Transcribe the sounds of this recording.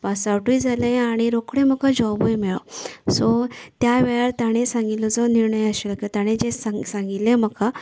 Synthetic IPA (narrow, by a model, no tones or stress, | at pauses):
pasawʈuid͡zalẽaɽ̃iɾokɽẽməkad͡ʑɔbojmɛɭɔ̰sɔt̪jaʋejaɾt̪aɽ̃esãŋɡilɔd͡zɔniɾɳəjəɕelkot̪aɽ̃ẽd͡ʑesasãŋɡilẽm̤əka